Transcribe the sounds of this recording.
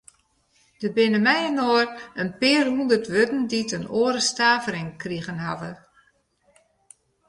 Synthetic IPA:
d̥əbɪnəmɛjənoːərənpɪːrɦundərtʋøtn̩ditənoːɾəstaːvəɾɪŋkriɣənɦa̰və

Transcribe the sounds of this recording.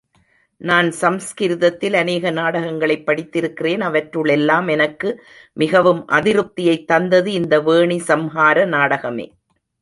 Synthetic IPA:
naːnsɐmskɪɾɯðɐt̪ːɪlɐneːɣɐnaːɽɐɣɐŋɡɐɭɐɪpːɐɽɪt̪ːɪɾɯkːɪreːnɐʋɐʈɾɯɭɛlːaːmɛnɐkːɯ | mɪɣɐʋɯmʔɐ̰ðɪɾɯp̚t̪ːɪjɐɪt̪ːɐnd̪ɐðɯɪnd̪ɐʋeːɳisɐmɦaːɾɐnaːɽɐɣɐmḛː

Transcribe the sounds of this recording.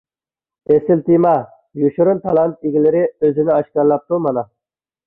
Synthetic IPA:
esɪlt̪ɪmɑ | juʃuɾʊnt̪ʰɑlˠɑnt̪̚iɡʲilɪɾɪøzɪnɪɑʃkɑɾlˠɑp̚t̪umɑnɑ

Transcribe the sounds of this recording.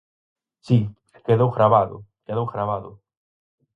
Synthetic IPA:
si | keðowɣɾaβaðʊ̰keðowɣɾaβaðʊ

